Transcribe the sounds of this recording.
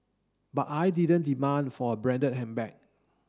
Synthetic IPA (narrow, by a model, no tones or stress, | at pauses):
batajdidə̃ndimãnfɔəbɹɛ̃ndət̚hɛ̃mbɛ̃k̚